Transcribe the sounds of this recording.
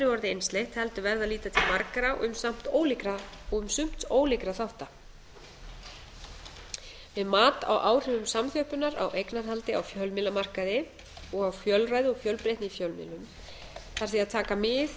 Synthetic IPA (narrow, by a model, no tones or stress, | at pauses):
nɪvɔɾðɪejnst̪lejht̪hɛlt̪ʏvɛɾðaðliːt̪at̪ʰɪlmaɾkɾaʔʏ̰msam̥t̪oːwlɪkɾaɔɣʏmsʏm̥t̪oːwlɪkɾaθawht̪a | vɪðmaːt̪a̰wʔaːwr̥ʏvʏmsamθœhpʏnaɾa̰wʔejknaɾ̥ɦalt̪ɪa̰wfjœlmɪlːamar̥kaðɪ | ɔɣawfjœlraːjðɪɔɣfjœlpɾejht̪nɪifjœlmɪ̰lːʏm | θaɾ̥θiaðt̪ʰaːkamɪð